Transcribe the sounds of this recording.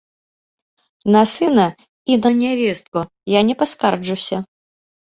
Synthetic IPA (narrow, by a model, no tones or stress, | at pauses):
nɐsɨnɐ | inɐnʲavʲɛst̪̚ku | janʲɛpaskard͡ʐusʲɐ